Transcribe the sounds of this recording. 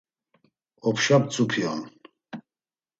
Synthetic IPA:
ɔpʰʃap̚t͡sʼupʰiɔn

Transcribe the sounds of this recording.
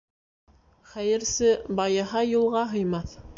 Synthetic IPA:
χæjɘ̆ɾsɘbɑjɤɦɑjulˠʁɑɦɤ̆jmɑθ

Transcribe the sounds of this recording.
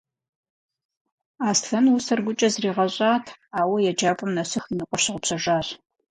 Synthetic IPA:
aːstʰɐnwusɐrɡʷʊt͡ʃʼɐzriːʁɐɕʷʼaːtʰaːwɐjɛd͡ʒaːpʼɐmnɐsɨxinɨqʷʼɔʃɨʁʷʊpɕɐʒaːɕ

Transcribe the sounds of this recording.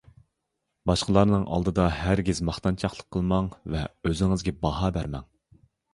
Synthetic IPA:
bɑʃqəlˠɑɾnɨŋʔɑ̰lˠd̪ɨd̪ɑɦæɾɡʲizmɑχt̪ɑnt͡ʃʰɑχlˠəqʰːəlˠmɑŋvɛøzɪŋɪzɡʲɛbɑɦɑbæɾmɛ̰ŋ

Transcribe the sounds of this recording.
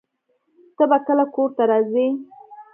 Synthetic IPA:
t̪əbakəlakoɾt̪aɾɑzi

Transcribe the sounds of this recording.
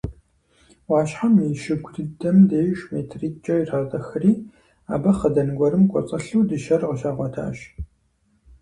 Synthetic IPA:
wɑːʃħamiːʃɪɡʷʊdɨdɐmdeːʒmeːtʰriːk̚t͡ʃʼɐiraːtʼɐxɐriː | a̰ːbɐχədɐnɡʷɔɾɨmkʷʼɔ̰t͡sʼɐɬuːdɨʃɐrʁɐʃaːʁʷɔtʰa̰ːɕ

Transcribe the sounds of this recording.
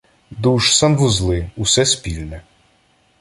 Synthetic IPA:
d̪uʃsanʋʊzlˠɪusɛspʲilʲnɛ

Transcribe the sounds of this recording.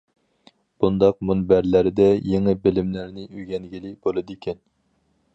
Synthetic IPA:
b̥und̪ɑq̚munbæɾlæɾɪd̪ɛjeŋɪbɪlɪmlæɾnɪyɡʲɛnɡʲilɪbolˠɨd̪ikʲʰɛn

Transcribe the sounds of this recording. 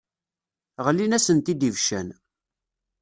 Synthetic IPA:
ʁlːinæsənt̪id̪ivʃæ̰n

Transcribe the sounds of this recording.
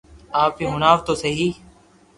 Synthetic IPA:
aːpiːɦʊnaːʋt̪oːsəɦiː

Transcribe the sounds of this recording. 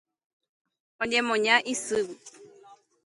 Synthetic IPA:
ɔɲɛmõɲãʔisɨwu

